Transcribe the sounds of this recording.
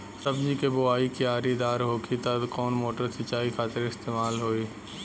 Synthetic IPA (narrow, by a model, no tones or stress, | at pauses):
sɐbd͡ʒikebʊaːikiaːɾid̪aːɾɦoːkit̪ɐd̪kɔːnmoːʈəɾsɪt͡ʃaːikʰaːt̪ɪɾɪst̪eːmaːlɦoːiː